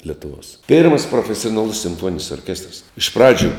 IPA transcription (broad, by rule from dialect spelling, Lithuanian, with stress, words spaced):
lʲɛtʊˈʋoːs ˈpʲeːrmɐs proːfʲɛsʲoːnɐˈlˠʊs sʲɪmˈfuɔnʲɪnʲɪs oːrʲˈkʲæːstrɐs ɪʃ ˈprɑːd͡ʒʲʊ